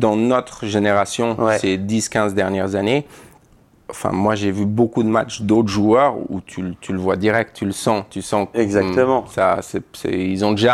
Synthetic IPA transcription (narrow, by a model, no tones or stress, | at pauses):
d̪ɑ̃nɔt̪χʒeneʁasjɔ̃wɛsed̪iskʲɛ̃zd̪ɛʁnjɛʁzane | ɑ̃fɛ̰̃mwaʒevybokud̪əmat͡ʃd̪ot̪χʒuœʁṵt̪ʰylt̪ʰyləvwad̪iʁɛk̚t̪tːyləsɑ̃t̪ysɑ̃ɛɡzat̪əmɑ̃sasɛsɛ̰ilzɔ̃d̪eʒa